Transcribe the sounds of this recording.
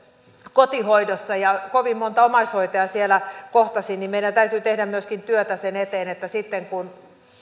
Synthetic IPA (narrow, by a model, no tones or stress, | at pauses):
kot̪ihoidosːɑjɑkoʋimmont̪ɑomɑishoit̪eɑsielækoht̪ɑsinnimmeiɾænt̪æyt̪yt̪ehdæmmyøskint̪yøt̪æsenet̪eːnet̪ːæsit̪ːeŋkun